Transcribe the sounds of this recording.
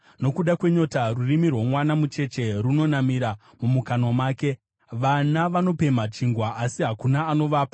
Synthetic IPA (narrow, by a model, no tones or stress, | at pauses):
no̞kuɗakwe̞ɲo̞tarurimirwomwanamut͡ʃe̞t͡ʃe̞runo̞namiɾa | mumukano̞maːke̞ | ʋanaʋano̞pe̞mat͡ʃiŋɡwaʔasiɦakunaːno̞ʋaːpa